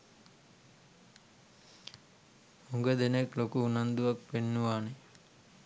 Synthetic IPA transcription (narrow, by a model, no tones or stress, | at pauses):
huŋɡəd̪eneklokuːnand̪uʋak̚penːuʋaːne